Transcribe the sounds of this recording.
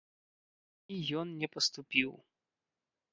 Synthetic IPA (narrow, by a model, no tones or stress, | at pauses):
ijɔnnʲɛpɐst̪upʲiw